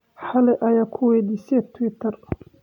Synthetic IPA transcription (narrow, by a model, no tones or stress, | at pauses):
ħɑlɛʔɐjaːkʰʊwɛːd̪iːsɛt̪ʰwɪt̪ʰɐr